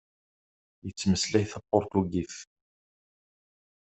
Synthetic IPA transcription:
jət͡sːməslæjθɑpːoɾˤt̪uɡiθ

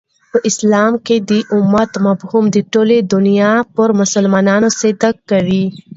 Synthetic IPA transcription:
pəʔɪslɑːmked̪iʔʊmːɐt̪mɐbhumd̪iʈoːled̪ʊnijapəɾmʊsəlmɑːnɑːnosed̪akkːɐʋi

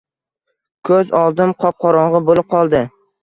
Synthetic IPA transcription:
kʰɵzɒlˠd̪ɪmqʰɒp̚qʰɒɾɒɴʁɨbolɪp̚qʰɒlˠd̪ɪ

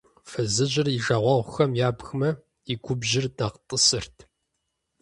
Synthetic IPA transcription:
fɨzɨʑʼɪriʒɐːʁʷɔʁʷʊxɐmjaːbxmɐ | iɡʷʊbʒɪrdɐqtʼəsɨrtʰ

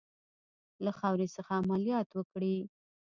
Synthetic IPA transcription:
laxɑwɾesəxaːmalijɑt̪wəkɽi

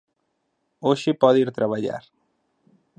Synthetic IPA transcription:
oʃɪpɔðiɾt̪ɾaβaʎa̰ɾ

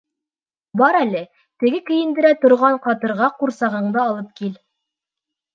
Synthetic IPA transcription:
bɑɾælɘ | t̪ɘ̆ɡɘkɵ̆jɘ̆nd̪ɘ̆ɾæt̪ŏɾʁɑɴqɑt̪ɤ̆ɾʁɑquɾsɑʁɤ̆ɴd̪ɤːlˠɤp̚kil

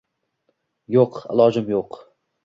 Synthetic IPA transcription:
joqɪ̰lˠɒd͡ʒɪmjoq

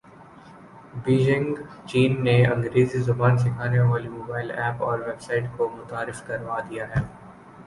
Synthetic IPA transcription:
biːd͡ʒɪ̃ŋɡ | t͡ʃiːnːeɐ̃ŋɡɾeːzizʊbaːns̬ɪkʰaːneʋaːlimoːbaːɪlɛːpɔːɾʋeːbsaɪʈkomʊt̪aːɾɪfkɐɾʋaːd̪ijaɦɛː

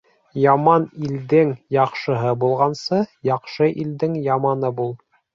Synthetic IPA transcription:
jɑmɑnild̪ɘŋjɑqʃɤ̆ɦɤbulˠʁɑnsɤjɑqʃɤʔild̪ɘŋjɑmɑnɤbulˠ

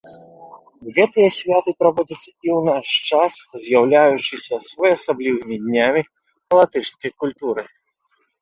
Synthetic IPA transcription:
ɣɛt̪ɨjɐsʲvʲat̪ɨpɾavɔd͡zʲɐt̪sːɐiwnaʂt͡ʂaszʲjawlʲajut͡ʂɨsʲɐsvɔjasablʲivɨmʲid̪ʲnʲamʲi | pɐlˠat̪ɨʂskɐjkulʲt̪uɾɨ

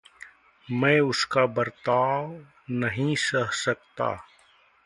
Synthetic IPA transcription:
mɛ̃ːʊskabəɾt̪aːw | nɐɦĩsɐɦsɐk̚t̪a̰ː

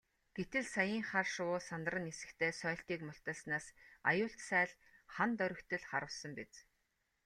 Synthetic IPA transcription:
ɡ̥et̪ɘ̆ɮsajiːŋχarʃʊːsant̪rə̆nesɘ̥̆kt̪ʰeːsœːɬt̪iːkmʊɬt̪ə̆ːɮsnaːsa̰jʊːɬt̪sæːɮ | χant̪œɾʲɵ̆kt̪ɘ̆ɮχaɾə̆wsə̆mpet͡s

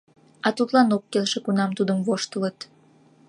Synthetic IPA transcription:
ɑt̪ut̪lɑnokːelʃekunɑmt̪ud̪əmvoʃt̪ələt̪

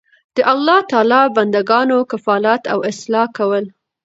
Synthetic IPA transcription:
d̪̥əʔalːɑt̪ɑlɑband̪aɡɑnokafɑlat̪awɪslɑkawəl

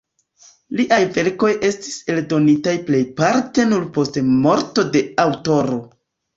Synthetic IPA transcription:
liʔajve̞ɾko̞jʔe̞sti̥se̞ldo̞nitajple̞jpaɾte̞nuɾpo̞stmo̞ɾto̞de̞awto̞ɾo̞

